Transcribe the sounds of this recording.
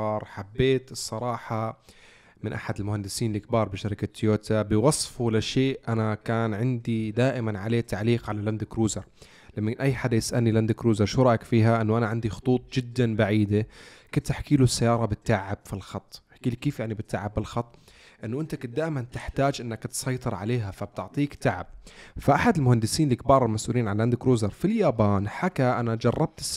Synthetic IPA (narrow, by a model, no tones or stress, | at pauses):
ɑːɾˤħabːeːt̪ɨsˤːɑɾˤɑːħɑ | mɪnʔaħad̪ɪlmʊhand̪ɪsiːnɪlkbɑːɾˤbɪʃaɾɪkat̪ːjoːt̪ʰabɪwɑsˤfulaʃeːʔʔanakaːnʕɪnd̪id̪aːʔɪmanʕaleːt̪ːaʕliːqʕalaland̪ɪkɾuːzɑɾˤ | lamːanʔajːħad̪ːajɪsʔa̰lniland̪ɪkɾuːzɑɾˤʃʊɾˤɑʔakfiːɦaʔɪnːʊʔanaʕɪnd̪ixʊ̥t̪ˤuːt̪ˤd͡ʒɪd̪ːanbaʕiːd̪akʊnt̪ːɪħkiːlusːajːɑːɾˤɑbɪt̪ːaʕɪbfilxɑt̪ˤːħkiːlikːiːfjaʕnibɪt̪ːaʕɪbːɪlxɑt̪ˤː | ʔɪnːʊʔɪnt̪akʊt̪̚d̪aːʔɪmant̪ɪħt̪aːd͡ʒʔɪnːakt̪sˤɑjt̪ˤɨɾʕa̰leːɦafab̚t̪ɪʕt̪ˤiːkt̪aʕɪ̰b̚faʔaħad̪ɪlmʊhand̪ɪsiːnlikbɑːɾˤɪlmasʔṵːliːnʕalland̪ɪkɾuːzɑɾˤfiljaːbaːnħakaʔanad͡ʒɑrˤːɑb̚t̪